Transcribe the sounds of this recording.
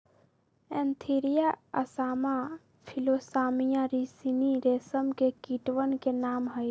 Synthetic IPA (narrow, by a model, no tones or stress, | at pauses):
ẽːnt̪ʰiːɾijaəsaːma | pʰiloːsaːmijaɾisiniɾeːsəmkekiːʈwənkenaːmɦəj